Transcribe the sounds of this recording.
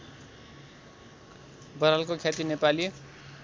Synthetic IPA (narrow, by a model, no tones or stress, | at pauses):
bʌɾalkokʰjat̪inepali